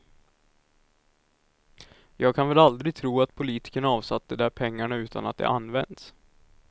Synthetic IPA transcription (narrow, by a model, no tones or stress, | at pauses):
jɑːɡ̚kʰanvɛlald̪ɾɪt̪ʰɾuːat̪pʰʊliːt̪ɪ̥kəɳaɑːvsat̪̚ːd̪ɛd̪æɾpʰɛŋːaɳaʉ̟ːt̪ʰa̰nat̪̚d̪ɛ̰ʔanːvɛnd̪s